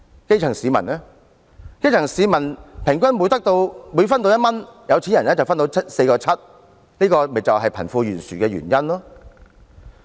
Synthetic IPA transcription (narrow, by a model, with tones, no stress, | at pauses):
ke˥jt͡sʰɐ˨˩ŋsiː˨˧mɐ˨˩nɛː˥ | ke˥jt͡sʰŋsiː˨˧mɐ˨˩npʰɪ˨˩ŋkʷɐ˥nwu˨˧jt̪ɐ˥k̚t̪o˧wmuː˨˧jfɐ˥nt̪o˧wjɐ˥t̚mɐ˥njɐ˨˧wt͡sʰi˨˥jɐ˨˩nlɛː˥t͡sɐ˨wfɐ˥nt̪o˧˥wt͡sʰɐ˥t̚se˧jkɔː˧t͡sʰɐ˥t̚ | liː˥kɔː˧me˨t͡sɐ˨wɦɐ˨jpʰɐ˨˩nfuː˧jyː˨˩nsyː˨˩kɛː˧jy̰ː˨˩njɐ˥nlɔː˥